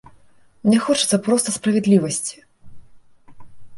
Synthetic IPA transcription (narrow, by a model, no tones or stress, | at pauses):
mnʲɛxɔt͡ʂɨ̥t̪sɐpɾɔst̪ɐspɾɐvʲɛd̪lʲivɐsʲt͡sʲi̥